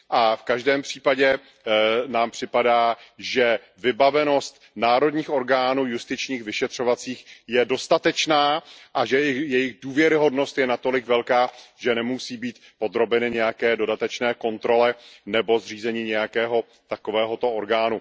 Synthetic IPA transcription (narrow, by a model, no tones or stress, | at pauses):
ʔafkaʒdɛːmpr̝̥iːpaɟɛ | naːmpr̝̥ɪpadaːʒɛ | vɪbavɛno̞st̪ | naːɾo̞dɲiːxʔo̞ɾɡaːnuːjust̪ɪt͡ʃɲiːxvɪʃɛt̪r̝̥o̞vat͡siːxjɛdo̞st̪at̪ɛt͡ʃnaːʔaʒɛjɪxjɛjɪɣduːvjɛɾɪɦo̞dno̞st̪jɛnat̪o̞lɪkvɛlkaːʒɛnɛmusiːbiːt̪po̞d̪ɾo̞bɛnɪɲɛjakɛːdo̞dat̪ɛt͡ʃnɛːko̞nt̪ɾo̞lɛnɛbo̞zr̝iːzɛɲiːɲɛjakɛːɦo̞ | t̪ako̞vɛːɦo̞t̪o̞ʔoɾɡaːnu